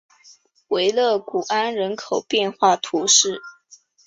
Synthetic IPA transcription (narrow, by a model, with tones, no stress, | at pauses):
we˧˥ɪlɤ˥˩ku˨˩ʔa˥nɻə˧˥nkʰo˨˩ʊpjɛ˥˧nxwa˥˩t̪ʰu˧˥ʂɻ̩˥˩